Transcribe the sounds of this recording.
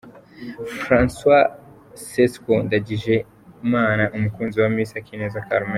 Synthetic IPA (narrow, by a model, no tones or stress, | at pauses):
fɾanswa | seskondaɟiʒe̞ | maːnaʔumukuːnziwamisakinezakaɾme